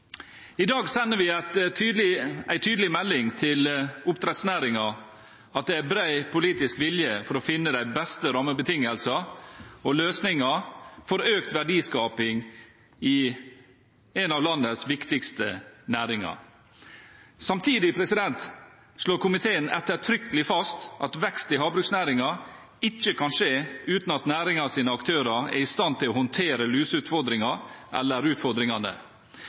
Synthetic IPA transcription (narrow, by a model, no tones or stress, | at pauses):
ɪd̪ɑːɡsɛnːəʋɪɑt̪ːɪæɪt̪ʰyːd̪əlɪmɛlːɪŋt̪ʰɪlʊpt̪ʰɾɛt̪snæːɾɪŋɑ | ɑt̪̚d̪ɛæbɾæɪpʰʊliːt̪ɪskʋɪljəfɔɾoːfɪnːəd̪æɪbɛst̪əɾɑməbət̪ʰɪŋːəlsɑɔløːsnɪŋɑfɔɾøːk̚t̪ʋæɖiːskɑːpɪŋ | ɪ | ɛnɑʋlɑnːəsʋɪkt̪ɪkst̪ənæːɾɪŋɑ̰ | sɑmt̪ʰiːd̪ɪpʰɾɛsɪd̪ɛnt̪ | ʂloːɾkʊmɪt̪ʰeːənɛt̪ːət̪ʰɾʏkəlɪfɑst̪ʔɑt̪ʋɛkst̪ɪɦɑːbɾʉksnæːɾɪŋɑ | ɪt͡ʃːəkʰɑnʂeːʉːt̪nɑt̪næːɾɪŋɑsiːnəɑkt̪ʰøːɾɑɛ̰ɪst̪ɑnt̪ɪlɔːhɔnt̪ʰeːɾəlyːsʉːt̪fɔɾd̪ɾɪŋɑʔɛ̰lːəɾʉːt̪fɔɾd̪ɾɪŋɑnə̰